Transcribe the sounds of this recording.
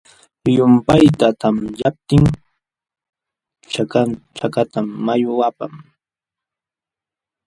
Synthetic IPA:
jʊmpajt̪at̪amjap̚t̪ɪŋ | t͡ʃakat͡ʃakat̪amːajʊapam

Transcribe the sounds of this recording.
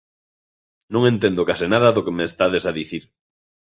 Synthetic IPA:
nõŋẽnt̪end̪okasɪnaðɐðokemeːst̪aðesaðiθiɾ

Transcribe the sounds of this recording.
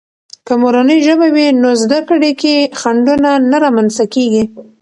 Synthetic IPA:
kəmoɾanəjʒəbawinozd̪akɽekexaɳɖunanaɾamanst̪akeɡi

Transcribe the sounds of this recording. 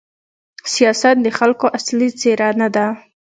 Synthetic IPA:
sijɑsat̪̚d̪əxalkoʔaslit͡seɾanad̪a

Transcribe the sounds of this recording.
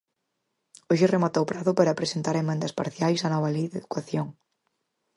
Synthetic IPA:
oʃeremat̪owpɾaðʊpaɾapɾesent̪aɾemẽnd̪ɐspaɾθjajsanɔβɐlejðeðukaθjoŋ

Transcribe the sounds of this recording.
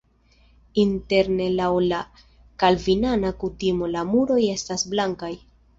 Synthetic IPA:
inte̞ɾne̞lawla | kalvinanakutimo̞lamuɾo̞je̞stasblaŋkaj

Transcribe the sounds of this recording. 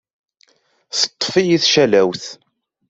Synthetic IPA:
θə̥t̪ˤːfijiθʃælæwθ

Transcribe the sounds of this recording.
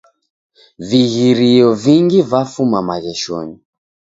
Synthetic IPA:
viɣiɾiɔviŋɡivafumamaɣɛʃɔ̰ni

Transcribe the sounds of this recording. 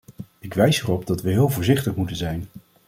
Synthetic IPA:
ɪkʋɛjsɛrɔbdɑtʋəɦɪːlˠvʊːɹzɪχtəχmutənzɛjn

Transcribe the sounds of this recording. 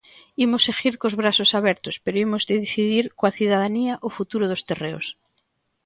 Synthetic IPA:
imosexiɾkozβɾasosaβɛɾt̪ospeɾoimozd̪eðiθiðiɾkoaθiðaðaniaʔofut̪uɾoð̞ost̪ereo̰s

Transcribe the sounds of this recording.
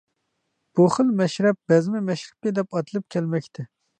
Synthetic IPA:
b̥uχəlˠmɛʃɾɛp̚b̥ɛzmɪmɛʃɾɪ̥p̚ʲɪd̪ɛpɑt̪ʰɨlˠɨp̚kʲʰɛlmɛkʲt̪ʰɛ

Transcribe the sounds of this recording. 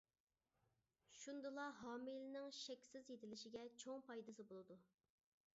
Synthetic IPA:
ʃund̪ɨlˠɑɦɑːmilnɪŋʃɛkʲsɪzjet̪ʰɪlɪʃɪɡʲɛt͡ʃʰoŋpɑjd̪ɨsɨbolˠɨd̪u

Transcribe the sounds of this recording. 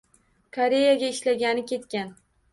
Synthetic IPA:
kʰoɾe̞jaɡʲaɪʃlaɡʲanɪkʲet̪kʲan

